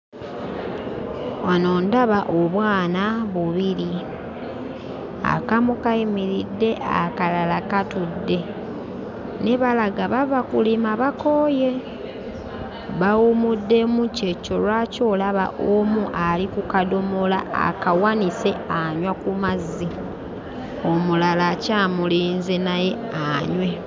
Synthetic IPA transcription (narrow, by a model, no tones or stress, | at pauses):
wano̞ːndaβaʔoβwaːnaβuβiɾi | a̰kamukaimiɾidːe̞ʔa̰kalalakatudːe̞ | neβalaɡaβaβakulimaβakoːje̞ | βawumudːe̞muce̞co̞lwaco̞laβa̰ʔomuʔalikukado̞molaa̰kawanise̞aɲwakumazːi | o̞mulalacaːmuliːnzenaje̞ | aɲwe̞